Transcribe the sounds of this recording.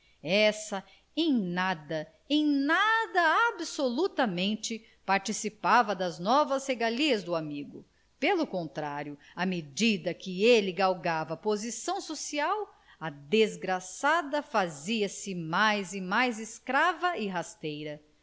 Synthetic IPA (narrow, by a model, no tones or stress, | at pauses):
ɛsɐ | ẽj̃nad̪ɐ | ẽj̃nad̪ɐabsolut̪ɐmẽnt͡ʃɪ | paɾt͡ʃisipavɐd̪ɐznɔvɐsheɡaliɐzd̪ʊamiɡʊ | pelʊkõnt̪ɾaɾjʊ | ɐmed͡ʒid̪ɐkɪelɪɡawɡavɐpozisɐ̃w̃sosiaw | ɐd̪ezɡɾasad̪ɐfaziɐsɪmajzɪmajzɪskɾavɐɪɦast̪ejɾɐ